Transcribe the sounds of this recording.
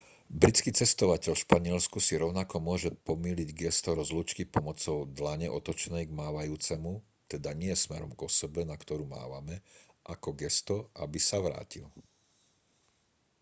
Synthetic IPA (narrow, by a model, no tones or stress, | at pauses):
bɾit͡skit͡sɛst̪ɔʋacɛʎfʃpaɲɪɛlskusiɾɔʊnakɔmʊɔʒɛpɔmiːliɟɡɛst̪ɔɾɔzlut͡ʃkipɔmɔt͡sɔʊd̪laɲɛʔɔt̪ɔt͡ʃnɛjɡmaːʋajuːt͡sɛmu | t̪ɛd̪aɲɪɛsmɛɾɔ̰mɡɔsɛbɛnakt̪ɔɾuːma̰ːʋamɛ | ʔakɔɡɛst̪ɔʔabisaʋɾa̰ːcil